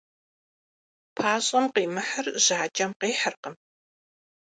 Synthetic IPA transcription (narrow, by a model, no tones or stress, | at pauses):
pʰaːɕʼɐmqiːmɨħərʑaːt͡ʃʼɐmqiːħərqəm